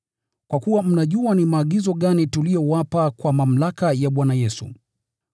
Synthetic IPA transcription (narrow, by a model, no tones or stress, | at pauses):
kwʔakuwam̩naʄuanimaːɠizɔɠanitulijɔwapakwamam̩lakajaɓwanajɛsṵ